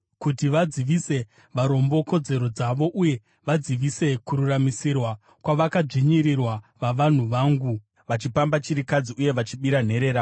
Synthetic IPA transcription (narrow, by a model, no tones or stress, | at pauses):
kut̬iʋad͡ziʋise̞ | ʋaɾo̞mbo̞ko̞d͡ze̞ɾo̞d͡zaʋo̞ʔuje̞ | ʋad͡ziʋise̞kuɾuramisirwa | kwaʋakad͡ʐiɲiɾirwaʋaʋan̤uʋaːŋɡu | ʋat͡ʃipambat͡ʃiɾikad͡ziuje̞ʋat͡ʃiɓiɾan̤e̞ɾe̞ːɾa